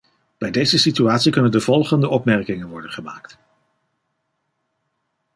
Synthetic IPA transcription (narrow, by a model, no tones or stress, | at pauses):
b̥ɛjdejzəsityaːtsikɵnəndəv̥ɔlˠχəndəʔɔpmɛɹkɪŋənʋɔɹdənχəmaːkt